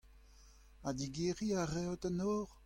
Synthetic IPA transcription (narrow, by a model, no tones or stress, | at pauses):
adiɡeʁiaʁɛwtanoːʁ